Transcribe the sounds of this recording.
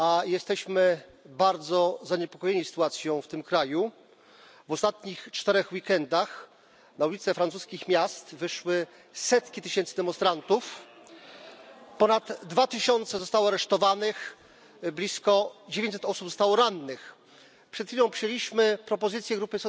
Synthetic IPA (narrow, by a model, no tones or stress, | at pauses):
ajɛst̪ɛɕmɘbaɾd̪zɔzaɲɛpɔ̥kɔjeɲisɘ̥t̪uat̪sʲjɔ̃w̃ft̪ɘmkɾaju | vɔst̪at̪ɲixt͡ʂt̪ɛɾɛxwikɛnd̪ax | naulʲit̪sɛfɾant̪uskʲixmʲjast̪vɘʂwɘ | sɛt̪kʲit̪ɘɕɛnt̪sɘd̪ɛmɔ̃nst̪ɾant̪uf | pɔnad̪ːvat̪ɘɕɔnt̪sɛzɔst̪awɔaɾɛʂt̪ɔvanɘx | blʲiskɔd͡ʑevʲẽɲt͡ɕ̪ʲsɛt̪ɔsupzɔst̪awɔɾanːɘx | pʂɛt̪fʲilɔ̃w̃pʂɨjelʲiɕmɘpɾɔpɔzɘt̪sʲjɛɡɾupɘsɔ